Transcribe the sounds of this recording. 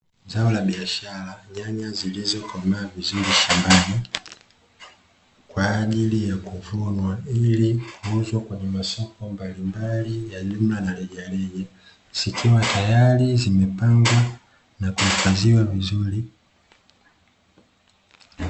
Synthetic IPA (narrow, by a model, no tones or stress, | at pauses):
zaɔlaɓiaʃalaɲaɲazilizɔkɔmaːvizuɾiʃambani | kwaːʄilijakuvunwailikuuzwakwɛɲɛmasɔkɔmbalimbalijaɲum̩lanalɛʄalɛɡɛ | sikʰiwatajalizimɛpaŋɡwa | nakuifaziwavizuli